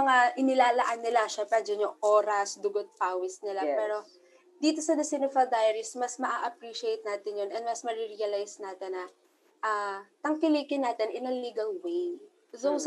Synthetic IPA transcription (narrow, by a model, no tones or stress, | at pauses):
mɐŋaʔɪnɪlaːlɐʔɐnːɪlaʃapɛɾɐd͡ʒɐnjʊŋʔoːɾɐsd̪ʊɡot̪̚paːwɛsnɪlapɛːɾo̞ | d̪iːt̪o̞sɐd̪ɐsɪnɪfɐld̪ajɐɾɪsmɐsmɐʔaʔɐpɾiːʃejt̪̚naːt̪ɪnjonɛnmɐsmɐɾɪɾiɐlajsnaːt̪ɪnːɐ | ʔɐt̪ɐŋkɪlikɪnːaːt̪ɪnʔɪnɐliːɡɐlwej | zo